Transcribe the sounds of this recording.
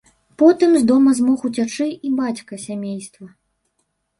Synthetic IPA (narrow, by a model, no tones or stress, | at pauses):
pɔt̪ɨmzd̪ɔmɐzmɔxut͡sʲat͡ʂɨibat͡sʲkɐsʲamʲejst̪vɐ